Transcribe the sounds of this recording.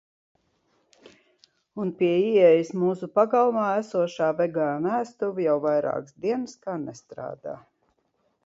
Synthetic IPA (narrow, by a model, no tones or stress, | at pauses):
unpiɛiɛjismuːsupaɡalˠmaːæsuɔʃaːvɛɡaːnæːst̪uvijawvajɾa̰ːksd̪iɛnskaːnɛst̪ɾa̰ːd̪a̰ː